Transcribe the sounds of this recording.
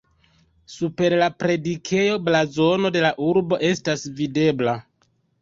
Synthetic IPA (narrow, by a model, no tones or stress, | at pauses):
supe̞ɾlapɾe̞dikʰe̞jo̞blazo̞no̞de̞laʔuɾbo̞ʔe̞stasvide̞bla